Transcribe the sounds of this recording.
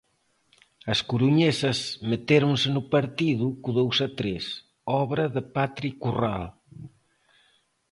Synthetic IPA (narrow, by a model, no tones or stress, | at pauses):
ɐskuɾuɲesɐzmet̪eɾunsənupɐɾt̪iðukuðowsɐt̪ɾes | ɔβɾɐðəpat̪ɾikural